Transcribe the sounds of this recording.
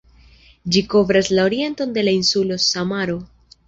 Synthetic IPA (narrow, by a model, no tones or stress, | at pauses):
d͡ʒiko̞vɾaslao̞ɾie̞nto̞nde̞lainsulo̞samaɾo